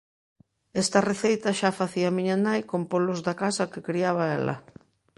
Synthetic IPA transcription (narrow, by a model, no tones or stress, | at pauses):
ɛst̪ɐreθejt̪ɐʃafaθiamiɲanajkompolʊzðakasɐkɪkɾiaβ̞aɛlɐ̰